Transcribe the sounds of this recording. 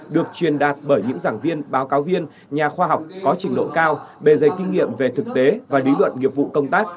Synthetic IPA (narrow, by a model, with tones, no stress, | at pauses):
ɗɨ˨˩ək̚t͡ɕwi˨˩ənɗaː˨˩t̚ɓəː˧˩jɲɨ̰˧˥ŋzaː˧˩ŋvi˧ənɓaː˨˦wkaː˨˦wvi˧ən | ɲaː˨˩xwaː˧ɦa˨˩wk͡p̚kɔ˨˦t͡ɕï˨˦ŋɗo̰˧˨kaː˧wɓe˧˩zə˨˩j̚kːï˧ŋŋḭ˧˨əmve˨˩t̪ʰɨ˨˩k̚t̪e˨˦vaː˨˩li˨˦lwə̰˧˨nŋḭ˨˩əp̚vṵ˧˨kə˧wŋ͡mt̪aː˦˥k̚